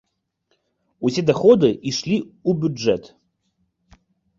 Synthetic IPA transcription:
usʲed̪axɔd̪ɨʔiʂlʲiubʲuɛt̪

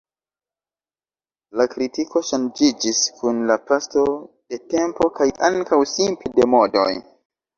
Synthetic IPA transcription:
lakɾitiko̞ʃand͡ʒid͡ʒiskʰunlapasto̞d̥e̞te̞mpo̞kajaŋkawsimpede̞mo̞do̞̰j

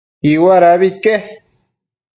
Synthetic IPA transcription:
iwaɾaβit̪̚ke

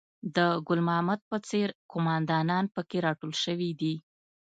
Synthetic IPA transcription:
d̪əɡʊlmɑhmad̪̚pət͡seɾkʊmɑnd̪ɑnɑnpəkeɾɑʈolʃəwid̪i

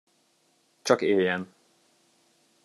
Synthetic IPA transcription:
t͡ʃɒkeːljɛn

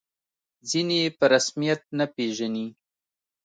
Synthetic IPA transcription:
zinepəɾasmijat̪̚napeʒani

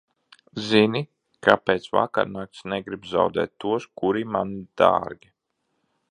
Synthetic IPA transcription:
zini | kapeːt̪sva̰ka̰ɾnaːk̚t̪snɛɡɾibza̰wd̪ɛ̰ːt̪ːuɔskuɾimand̪̥a̰ːɾɡʲi

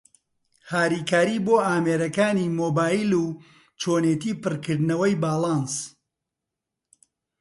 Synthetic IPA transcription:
haːɾiːkaːɾiboːʔaːmeːɾɐkaːniːmoːbaːjilu | t͡ʃoːneːt̪iːpɨrkɨɾd̪nɐwɐjbaːlˠɑns

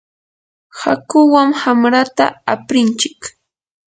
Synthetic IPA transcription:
ha̰kʊwaŋhamɾat̪a̰apɾɪnt͡ʃɪk

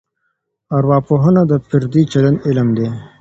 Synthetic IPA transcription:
aɾwɑːpoɦənad̪əpɪɾd̪it͡ʃɐlənɪləmd̪e

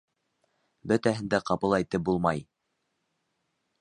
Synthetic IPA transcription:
bɵ̆t̪æɦɘ̆nd̪æqɑpɤlˠæjt̪ɘp̚bulˠmɑj

